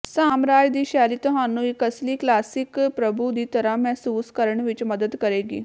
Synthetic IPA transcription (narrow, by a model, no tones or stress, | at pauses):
saːmɾaːjd̪iːɕaːliːt̪ɔɦanũːɪkɐsliːklaːsikpɾɐbʱud̪iːt̪ɐɾamɛɦsuːskəɾəɳʋit͡ʃməd̪əd̪kɐɾeːɡḭː